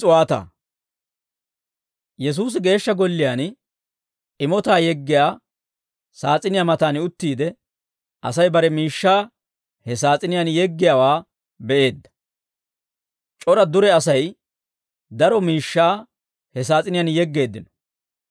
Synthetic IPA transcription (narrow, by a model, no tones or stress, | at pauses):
ʊwaːt̪a̰ː | jɛs̬uːs̬ɪɡe̞ːʃːɐɡɔlːɪjaːn | ɪmɔt̪aːjɛɡːɪjaː | saːt͡sʼɪnɪjamɐt̪aːnɪʊt̪ːiːd̪ɛ | ʔɐsɐjbɐɾɛmiːʃːaː | hɛsaːt͡sʼɪnɪjanjɛɡːɪjawaː | bɛʔe̞ːd̪ːɐ̥ | t͡ʃʼɔɾɐd̪ʊɾɛɐsɐj | d̪ɐɾɔmiːʃːaː | hɛs̬aːt͡sʼɪnɪjanjɛɡːe̞ːd̪ːɪnɔ̥